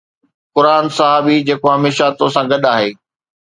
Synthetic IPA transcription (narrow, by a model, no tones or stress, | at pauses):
kʊɾaːnsɐɦaːbid͡ʑeːkoɦɐmeːʃat̪oːsãɡɐɗaːɦeː